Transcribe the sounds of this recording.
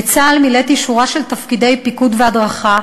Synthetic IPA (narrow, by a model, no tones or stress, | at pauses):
t͡saːlmilet̪iʃuʁaʃelt̪afkide̞jpikudveadʁaχa